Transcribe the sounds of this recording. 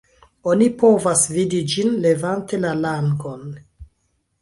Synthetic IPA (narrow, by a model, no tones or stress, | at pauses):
onipo̞vasvidid͡ʒinle̞vante̞lalaŋɡon